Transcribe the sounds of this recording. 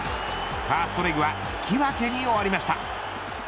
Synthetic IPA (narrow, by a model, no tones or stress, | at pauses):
paːsɨ̥t̪oɾʲiɡɯβa | i̥kʲʰiβake̞ɲ̟ʲioaɾʲimaɕi̥t̪a